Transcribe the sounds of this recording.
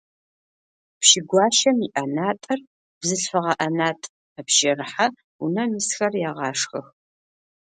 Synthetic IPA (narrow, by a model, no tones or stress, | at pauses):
pʃɪɡʷɑːʃɐmiʔɐnaːtʼɐr | b̥zɨɬfɐʁɐʔɐnaːtʼ | ɐpʃɪrħa | unɐmisxɐrjaːʁɑːʂxɐ̰x